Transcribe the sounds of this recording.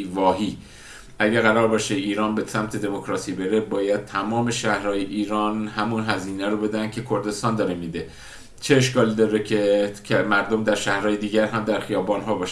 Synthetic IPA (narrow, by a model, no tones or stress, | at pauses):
vɒːɦiː | ʔæɟæɾɣæɾɒːɾbɒːʃeiːɾɒːnbesæmt̪ʰe̞d̪e̞mokʰɾɒːsiːbe̞ɾe̞bɒːjæd̪̥̚t̪ʰæmɒːme̞ʃæhɾɒːjeʔiːɾɒːnɦæmunɦæziːnæɾobe̞d̪ænd̪̥̚cʰe̞kʰo̞ɾd̪e̞st̪ɒːnd̪ɒːɾemid̪e̞ | t͡ʃʰeeʃkɒːliːd̪ɒːɾecʰecʰemæɾd̪o̞md̪æɾʃæhɾɒːjed̪iːɟæɾɦæmd̪æɾxijɒːbɒːnɦɒːbɒːʃæ